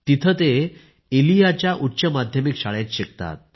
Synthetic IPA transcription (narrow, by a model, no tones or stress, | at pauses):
t̪it̪ʰət̪e | elijat͡ɕjaʔuʈːɕəmad̪ʱjəmikɕaɭjãt͡ɕɕek̚t̪a̰t̪̚